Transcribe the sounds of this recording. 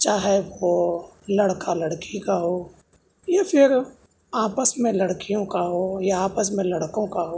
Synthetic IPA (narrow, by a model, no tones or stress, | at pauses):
t͡ʃaːɦɛʋolɐɽkalɐɽkikaɦoː | jafʰɪɾ | aːpəsmẽlɐɽkijõkaɦoːjaaːpəsmẽlɐɽkõkaɦoː